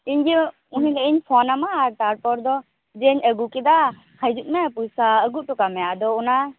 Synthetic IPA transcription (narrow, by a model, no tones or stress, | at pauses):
iɲd͡ʒɛ | uɦilɛʔiɲpʰɔnamaaɾʈaʈ̚pɔɾd̪ɔ | d͡ʒɛɲəɡukɛd̪a | həjd͡ʒut̪̚mɛpujsaəɡuʈɔkamɛjaʔd̪ɔuna